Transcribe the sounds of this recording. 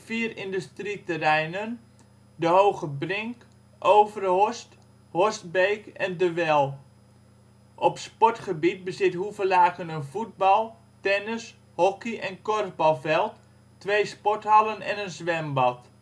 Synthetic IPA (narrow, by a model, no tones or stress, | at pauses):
fiːərɪndystritərɛjnən | dəɦowɣəbrɪŋk | ʔowvərhɔst | hɔst̚beːkɛndəʋɛlˠ | ʔɔpspɔtχəbit̚bəzɪthuvəlaːkənənfud̚bɑlˠ | tɛnɪs | hɔkiʔɛnkɔrvbɑlˠfɛlˠtː | ʋejspɔthɑlənɛ̰nənzʋɛmbɑt